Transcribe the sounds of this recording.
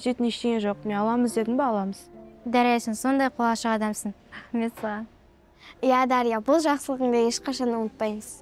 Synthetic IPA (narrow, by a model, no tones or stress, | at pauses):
ʒet̪ɪneʃt̪eɡʲeʒo̞q̚eɑlˠɑməzd̪e̞d̪ɪnbɑɑlˠɑməz̥d̪æɾɑjsɪnso̞nd̪ɑjqʰolˠɑʃəqɑd̪ɑmsəɴɾɑχme̞t̪səʁɑ | jad̪ɑɾijɑbʊlˠʒɑqsəlˠəʁəɴd̪ɑeʃqɑʃɑnwonət̪̚pɑjməz̥